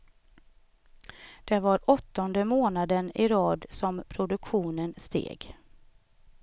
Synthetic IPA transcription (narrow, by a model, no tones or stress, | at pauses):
d̪̥ɛvaɾɔt̪ːɔnd̪əmoːnad̪ənɪɾɑːd̪sɔmpʰɾʊd̪ɵkɧuːnənst̪ʰḛːɡ